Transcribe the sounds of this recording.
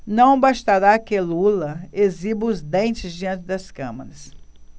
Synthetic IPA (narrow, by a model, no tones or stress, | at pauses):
nɐ̃w̃baʃt̪aɾakɪlulɐezibɐʊzd̪ẽnt͡ʃɪzd͡ʒiɐ̃nt͡ʃɪd̪ɐskɐ̰̃mɐɾɐs